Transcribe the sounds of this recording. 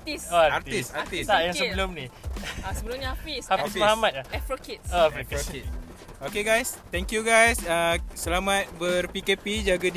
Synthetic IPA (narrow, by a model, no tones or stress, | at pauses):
at̪isaart̪isat̪isajãŋsəbəlomniasəbəlʊmɲaapisamaɦamat̪̚aɛfɾokit̚oɛfofokit̚ | okeɡajst̪ɛ̃ŋkjuɡajsasəlamãt̪̚bərpikepid͡ʒaɡəd